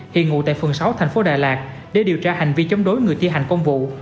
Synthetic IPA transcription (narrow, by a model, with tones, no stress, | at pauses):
hḭ˧˨ənŋṵ˧˨t̪a̰ː˧˨fɨ˨˩əŋsa˨˦wt̪ʰɛ˨˩jŋ̟fo˨˦ɗaː˨˩jlaː˨˩k̚ | ɗe˧˩ɗi˨˩əwt͡ɕaː˧ha˨˩jŋ̟vi˧t͡ɕɔ˧wŋ͡mɗo˨˦jŋɨ˨˩əjt̪ʰi˧ɦa˨˩jŋ̟kə˧wŋ͡mvṵ˧˨